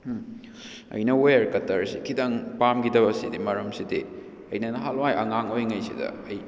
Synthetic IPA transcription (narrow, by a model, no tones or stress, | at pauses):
ɐ̰jnɐweɾkɐtɐɾsikʰidaŋpamɡidɐbɐsidimɐɾɐmsidi | ɐjnɐnɐɦalwajʔɐŋaŋojŋɐjsḭdɐ̰ɐj